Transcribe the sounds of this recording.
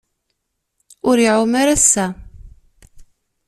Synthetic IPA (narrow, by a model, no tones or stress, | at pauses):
ʊɾiʕʊmaɾasːæ